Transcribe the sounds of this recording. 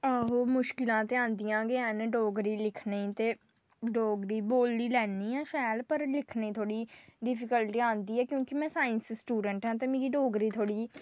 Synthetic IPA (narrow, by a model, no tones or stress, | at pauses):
aɦoːmʊʃkɪlãːt̪eãːnd̪ijãːɡɪãːnɖoːɡɾiːlɪkʰneit̪eː | ɖoːɡɾiːboːld̪iːlɛːniːɛ̃ːʃɛːlpəɾlɪkʰneːt̪ʰoːɽiːɖɪpʰɪkəlʈiːãːnd̪iːɛːkjõːkɪmɛ̃ːsaːɪnssʈuːɖəɳʈɦɛ̃ːt̪̬eːmiːɡiːɖoːɡɾiːt̪ʰoːɽiː